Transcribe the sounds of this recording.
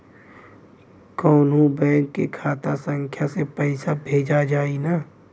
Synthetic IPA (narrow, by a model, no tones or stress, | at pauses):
kɔːnũbɛ̃ːŋkːikʰaːt̪asə̃ŋkʰjasepɛɪsabʱeːd͡ʒad͡ʒaːinaː